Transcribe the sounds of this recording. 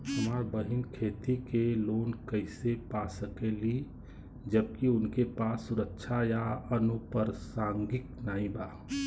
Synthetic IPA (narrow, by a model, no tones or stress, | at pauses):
həmaːɾbəɦɪnkʰeːt̪ikeloːnkəɪsepasəkeli | d͡ʒəb̚kiʊnkepaːsːʊɾəkʃʰajaənupəɾsãːŋɡɪk̚naːɦĩbaː